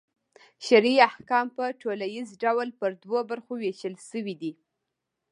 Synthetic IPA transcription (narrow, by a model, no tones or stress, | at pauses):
ʃaɾiahkɑmpəʈʰolajizɖawlpəɾd̪wobaɾxoweʃəlʃəwid̪i